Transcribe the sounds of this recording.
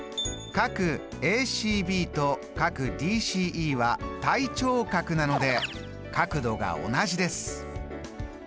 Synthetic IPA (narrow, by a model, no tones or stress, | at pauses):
kakɯ̟ | e̞ːɕiːbʲiːt̪o̞ | kakɯ̟d̪ʲiːɕiːʔiːβat̪ait͡ɕo̞ːkakɯ̟nano̞d̪e̞ | kakɯ̟d̪o̞ɡa̰o̞̰naʑid̪e̞sɨ̥